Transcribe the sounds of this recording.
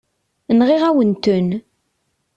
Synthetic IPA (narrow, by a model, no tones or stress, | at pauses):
nʁiʁæwənt̪ən